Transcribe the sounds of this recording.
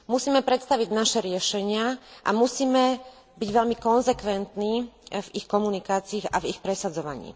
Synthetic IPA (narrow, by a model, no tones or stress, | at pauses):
musiːmɛpɾɛt̪st̪aʋiɟnaʃɛɾɪɛʃɛɲɪaʔa̰musiːmɛ | biɟʋɛlmikɔnzɛkʋɛnt̪niːvixkɔmunikaːt͡siːɣa̰vixpɾɛsad͡zɔʋa̰ɲḭː